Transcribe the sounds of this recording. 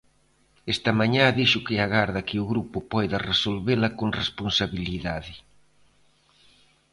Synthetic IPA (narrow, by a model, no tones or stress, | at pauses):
est̪ɐmaɲãðiʃʊkɪaɣaɾðɐkɪʊɣɾupʊpɔjðaresolβelɐkoŋresponsaβiliðaðɪ